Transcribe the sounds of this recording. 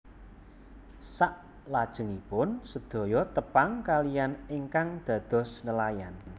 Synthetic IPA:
saʔ | lad̥ʒ̥ə̤ŋipʊnsəd̪̥ɔ̤jɔt̪əpaŋkalijaneŋkaŋd̪̥ä̤d̪̥ɔ̤snəlajan

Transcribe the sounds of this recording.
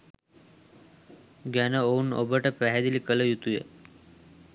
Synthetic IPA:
ɡanəouno̰bəʈəpɛɦad̪ilikələjut̪ujḛ

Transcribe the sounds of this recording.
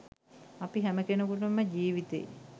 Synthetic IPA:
apiɦæməkenəkoʈ̬əməɟiːʋit̪ḛj

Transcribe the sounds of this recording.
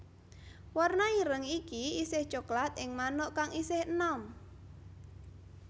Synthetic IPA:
warnaiɾəŋikiisɪht͡ʃoklat̪ɪŋmanʊʔkaŋisɪhənɔm

